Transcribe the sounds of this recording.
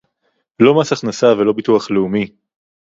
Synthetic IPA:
lo̞masaχnasavelo̞bit̪uaχleumi

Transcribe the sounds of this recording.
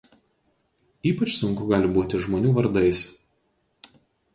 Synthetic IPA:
iːpɐt͡ʃsʊŋˑkʊɡɑːlʲɪbuːt̪ʲɪʒmoːnʲuːʋɐɾd̪ɐɪs

